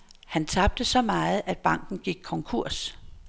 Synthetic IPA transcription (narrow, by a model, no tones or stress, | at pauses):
hænt͡sʰɑ̈b̥̚d̥əsɒ̽mɑ̈ːð̩ˠʔæd̥̚b̥ɑ̈ŋ̰ɡ̥n̩ɡ̥iɡ̥̚kʰɒ̽ŋkʰuɐ̰s